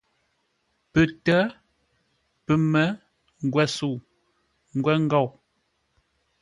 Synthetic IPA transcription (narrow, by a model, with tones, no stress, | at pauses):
pə˨tə˦ | pə˨mə˦ | ŋ˨ɡwɛ˨su˨ | ŋ̩˦ɡwɛ˦ŋ̩˦ɡɔ˦˨w